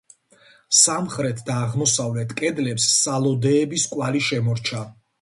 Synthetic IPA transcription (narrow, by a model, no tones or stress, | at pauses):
samχɾɛt̪ʰd̪aːʁmɔsavlɛt̪ʰkʼɛd̪lɛpsːalˠɔd̪ɛːbiskʼwaliʃɛmɔɾt͡ʃʰa